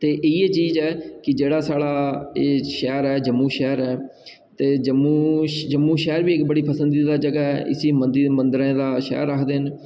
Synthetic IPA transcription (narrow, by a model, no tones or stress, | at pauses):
t̪eːʔiːeːt͡ʃiːzɛːkɪd͡ʒeːɽaːsaːɽaːeːʃɛːɾɛːd͡ʒəmːuːʃɛːɾɛː | t̪eːd͡ʒəmːũːd͡ʒəmːũːʃɛːɾbiːɪkbəɽiːpəsənd̪iːd̪aːd͡ʒəɡaːɛːʔɪ̰siːmənd̪iːmənd̪əɾẽːd̪aːʃɛ̰ːɾːəkʰd̪eːɦn